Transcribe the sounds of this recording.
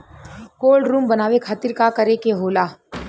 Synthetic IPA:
koːlɖɾũːmbɐnaːʋekʰaːt̪ɪɾkakɐɾekeɦoːlaː

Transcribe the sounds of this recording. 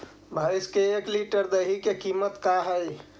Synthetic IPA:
bʱaiskeːkliʈəɾd̪əɦikekimət̪kaɦəj

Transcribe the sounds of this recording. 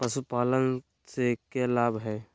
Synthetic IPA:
pəʃupaːlən | sekelaːbɦɛː

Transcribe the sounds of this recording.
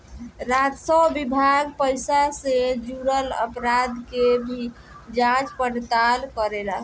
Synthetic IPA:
ɾad͡ʒsəbbibʱaɡpəjsased͡ʒuɾələ̰pɾad̪kebʱi | d͡ʒãt͡ʃpəɽt̪alkəɾeɾəɦ

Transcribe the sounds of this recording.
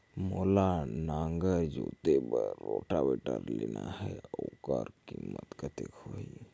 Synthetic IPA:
molanaːŋɡəɾd͡ʒot̪ebəɾɾoʈabeʈəɾlenaɦɛokəɾkimət̪kət̪ekoi

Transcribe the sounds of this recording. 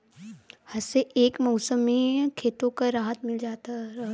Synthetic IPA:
hɐseʔeːkmɔʊsəmːẽkʰeːt̪õkaɾaːɦət̪mɪld͡ʒaːt̪aɾ

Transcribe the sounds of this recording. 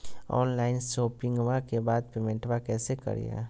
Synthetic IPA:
ɔ̰ːnlaːɪnsoːpɪ̃ŋɡʋakebaːd̪̚peːmẽɳʈʋakɛːsekə̰ɾḭja̰ː

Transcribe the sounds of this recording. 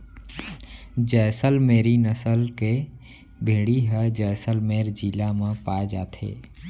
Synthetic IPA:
d͡ʒɛːsəlmeːɾinəsəlke | bʱeːɽiɦɛd͡ʒɛːsəlmeːɾd͡ʒiːlamãpaːed͡ʒa̰ːt̪ʰḛː

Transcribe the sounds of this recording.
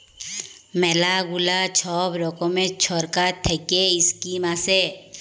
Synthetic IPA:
mɛːlaɡulat͡ʃʰɔːbɾɔːkomẽt͡ʃʰɔːɾkat̪ʰekeɪskimase

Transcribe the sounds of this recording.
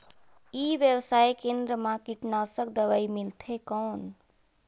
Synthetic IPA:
iʋjəwsaːjkẽnd̪ɾəmãkiʈnaːsəkd̪əʋaːimɪlt̪ʰekɔːn

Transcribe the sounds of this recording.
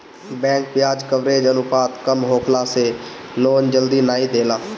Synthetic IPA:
bɛ̃ːŋk̚pɪjaːd͡ʒkəʋɾeːd͡ʒənʊpaːt̪kəmɦoːkʰlaːseː | loːnd͡ʒəld̪iːnaːiːd̪eːlaː

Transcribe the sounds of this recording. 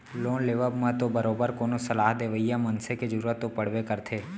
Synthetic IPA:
loːnleːʋəbmãt̪obəɾoːbəɾkoːnosəlaːɦd̪eːʋəijamənseked͡ʒəɾuːɾət̪ːopəɽ̤ʋekəɾt̪ʰeː

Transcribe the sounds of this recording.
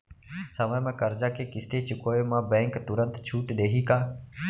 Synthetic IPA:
səmə̃ːmɛ̃ːkəɾd͡ʒaːkeːkɪst̪eːt͡ʃʰkoːeːmãːbɛ̃ːŋkt̪ʊɾə̃nt̪t͡ʃʰuːʈɗ̪eːɦiːkaː

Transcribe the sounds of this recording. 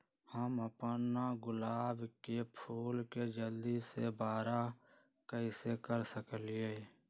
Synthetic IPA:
həməpənaɡʊlaːbkepʰuːlked͡ʒəld̪isebaːɾa | kəisekəɾsəkəlɪeː

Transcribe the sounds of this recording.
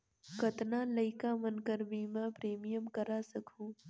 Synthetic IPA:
kɐt̪naːlɐɪkamɐnkəɾbʱimɛ̃pɾeːmijəmkɐɾaːsɐkʰũː

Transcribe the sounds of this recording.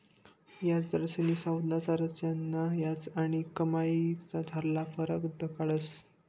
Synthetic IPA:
jat͡sd̪ɾəɕənisãwd̪nasaɾət͡sjanːajat͡saɽ̃ikəmait͡sad͡zʱaɾlafəɾəkd̪əkaɭəs

